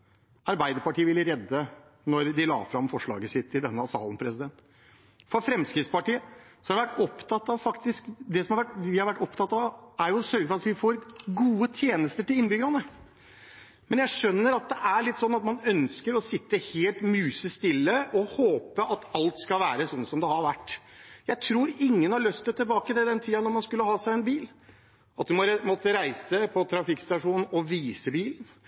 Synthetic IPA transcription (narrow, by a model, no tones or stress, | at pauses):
ɑɾbæɪd̪əɾpɑʈʰiːəʋɪlɾɛd̪ːə | nɔɾd̪ɪlɑ̰ːfɾɑmfɔʂɭɑ̰ːɡəsɪt̪ʰːɪld̪ɛnːəɑsɑ̰ːlən̩pʰɾɛsɪd̪ɛnt̪ | fɔɾfɾɛmskɾɪt̪spɑʈiːəsɔ̥hɑɾɛʋæʈːɔpt̪ʰɑt̪ːɑʋfɑkt̪ɪskd̪ɛsɔmɑɾʋæʈʋɪhɑɾʋæʈːɔpt̪ʰɑt̪ːɑæɾjʊsœɾɡəfɔɾɑt̪ʋɪfoːɾɡuːət̪ʰjeːnəst̪əʈɪlɪnːbʏɡəɾɑnə | mɛnjæɪʂœnːəɾɑt̪̚d̪ɛʔæɭɪt̪ːsɔnːɑt̪mɑnœnskəɾɔsɪt̪ːəheːlt̪mʉːsəst̪ɪlːəʔɔhoːpəʔɑt̪ɑlt̪skɑlʋæːɾəsɔnːsɔmd̪ɛhɑɾʋæʈːjæɪt̪ʰɾuːɾɪŋːənhɑɭøst̪̚d̪ɛt̪ʰɪlbɑːkəd̪ɛd̪ɛnt̪ʰiːɑnɔɾmɑnskʉlːəhɑːsæɪɛnbiːl | ɑt̪̚d̪ʉmɔɾmɔt̪ːəɾæɪsəpʰɔt̪ʰɾɑfɪkst̪ɑʂuːnn̩ɔʋiːsəbiːln̩